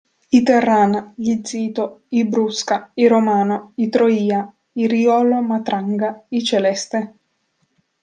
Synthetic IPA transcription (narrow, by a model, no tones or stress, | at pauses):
it̪erːaːnaʎid̪ziːt̪oibɾuskaiɾomaːnoit̪ɾoiːa | iɾiɔːlomat̪ɾaŋɡait͡ʃelɛst̪e